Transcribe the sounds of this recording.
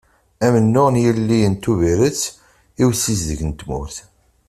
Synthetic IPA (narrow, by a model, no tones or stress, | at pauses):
æmənːʊʁnjəlːijənt̪ːuviɾət͡sː | iwsizðəʝnt̪mʊɾθ